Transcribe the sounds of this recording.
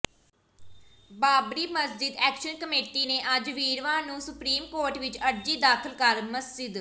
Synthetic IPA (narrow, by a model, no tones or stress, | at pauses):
baːbɾiːməsd͡ʒɪd̪ɛːkʃənkəmeːʈiːneːʔəd͡ʒʋiːɾʋãːnũːsʊpɾiːmkoːɾʈʋɪt͡ʃəɾd͡ʒiːd̪aːkʰəlkəɾməsd͡ʒɪd̪